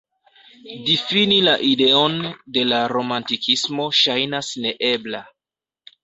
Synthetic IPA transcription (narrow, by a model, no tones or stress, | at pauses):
difinilaʔide̞o̞nde̞laɾo̞mantikʰismo̞ʃajnasne̞ʔe̞bla